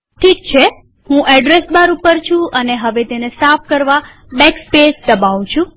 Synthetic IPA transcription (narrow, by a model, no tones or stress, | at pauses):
ʈʰik̚t͡ʃʰe | hũʔɛɖɾesbaɾupəɾt͡ʃʰũʔəneɦəʋet̪enesafkəɾʋa | bɛkspesd̪əbaʋ̃t͡ʃʰũ